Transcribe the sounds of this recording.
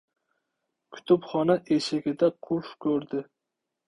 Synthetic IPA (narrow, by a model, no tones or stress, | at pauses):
kʰʲʊ̥t̪ʰʊpχɒnaʔeʃɪɡʲɪd̪aqʰʊɾfkʰʲɵɾd̪ɪ